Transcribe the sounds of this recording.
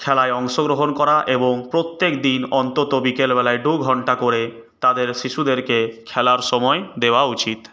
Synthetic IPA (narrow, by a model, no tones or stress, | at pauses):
kʰɛlaeɔŋʃoɡɾoɦonkɔɾaʔeboŋpɾot̪ːekd̪inɔnt̪ot̪obikelbɛlaeɖuɡʱɔɳʈakoɾe | t̪ad̪eɾʃiʃud̪eɾkekʰɛlaɾʃɔmɔed̪eoaut͡ɕit̪